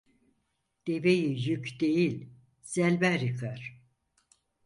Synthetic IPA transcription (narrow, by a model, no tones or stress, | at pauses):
d̪̥evejijykd̪ejilʲ | z̥ælʲbæɾikʰaɾ̥